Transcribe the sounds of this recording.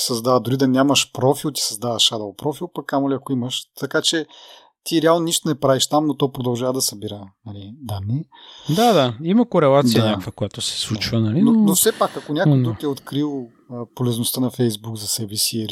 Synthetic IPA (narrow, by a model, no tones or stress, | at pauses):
sɐzd̪avəd̪oɾid̪ɐnʲamɐʃpɾɔfilˠt̪i̥sɐzd̪avəʃad̪ɐlˠpɾɔfilˠpɐkkamoliɐkoimɐʃt̪ɐkat͡ʃɛ | t̪iɾɛalˠnoniʃt̪onɛpɾaviʃt̪amnot̪ɔpɾod̪ɐlˠʒavəd̪ɐsɐbiɾənɐlid̪anːi | d̪ad̪aimɐkoɾɛlˠat̪d̪ijɐnʲakvəkojat̪osɛ̥slˠut͡ʃvənɐlinonofsɛpakɐkonʲakojd̪ɾukɛot̪kɾilˠ | əpolɛznost̪ənɐfɛjzbuɡzɐsɛbɛsil